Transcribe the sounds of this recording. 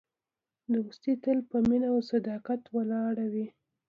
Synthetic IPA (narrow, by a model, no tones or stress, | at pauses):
d̪əust̪it̪əlpəminawsad̪ɑqat̪wəlɑɽawi